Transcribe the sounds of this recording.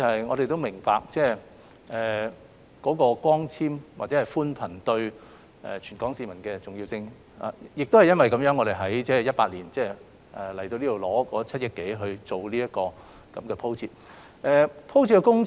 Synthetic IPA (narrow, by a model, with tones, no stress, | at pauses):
ɐ˨hɐ˨jŋɔː˨˧ɾe˨jt̪o˥wmɪ˨˩ŋpa̰ː˧k̚t͡sɛː˥˩ | ʔɛː˨˩ | kɔː˨˥kɔː˧kʷɔː˥ŋt͡sʰiː˥mwa̰˨t̚t͡sɛː˨˧hɐ˨jfuː˥npʰɐ˨˩nt̪ɵ˧ɥ | ʔɛ̰ː˨˩t͡ʃʰy˨˩nkɔː˨˥ŋsiː˧mɐ˨˩nkɛː˧t͡sʊ˨ŋjiː˧wsɪ˧ŋ | a̰˨jɪ˨k̚t̪o˥hɐ˨jɐ˥nwɐ˨jkɐ˨˥mjœː˨˧˥ŋːɔː˨˧ɾe˨˩ɦɐ˨˥jt͡sɛː˥jɐ˥t̚paː˧t̚liː˨˩nt͡sɛː˥˩ | ʔɛ˨˩lɐ˨˩t̪o˧liː˥o˨wlɔː˨˥kɔː˨˥t͡sʰɐ˥t̚jɐ˥t̚kːe˨˥jɦɵ˧ɥt͡so˨wliː˥jɐ˥t̚kɔː˧ | kɐ˨˦˥mkɛː˧pʰo˥wt͡sʰiː˧˥t̚ | ʔɛː˧pʰo˥wt͡sʰi˧tkːɛ˧˥kʊ˥ŋ